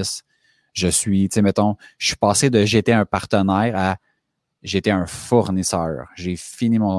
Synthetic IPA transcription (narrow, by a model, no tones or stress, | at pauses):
s | ʒəsɥit͡semɛt̪ɔ̥̃sɥi̥paːsed̪əʒːt̪ɛœ̃paʁt̪ənɛːʁa | ʒeːt̪ɛœ̃fʊʁnisœ̰ːʁʒefinimɔ̃